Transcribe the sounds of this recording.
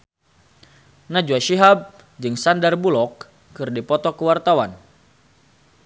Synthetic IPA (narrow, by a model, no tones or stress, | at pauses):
nad͡ʒuaʃiɦab̚ | d͡ʒɨŋsandarbulɔkː | ɨrdipɔt̪ɔkəwart̪awan